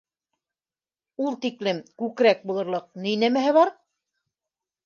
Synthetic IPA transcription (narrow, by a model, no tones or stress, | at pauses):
ulˠt̪iklɘmkʉkɾæk̚bulˠɤ̆ɾlˠɤq̚nijnæmæɦɘβɑɾ